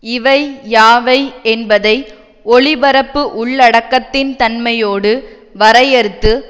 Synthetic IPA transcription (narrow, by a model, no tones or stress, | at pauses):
ɪʋɐɪjaːʋɐɪɛnbɐðɐɪ | ɔɭɪbɐɾɐpːɯʔʊɭːɐɽɐkːɐt̪ːɪnt̪ɐnmɐjoːɽɯ | ʋɐɾɐjɐɾɯt̪ːɯ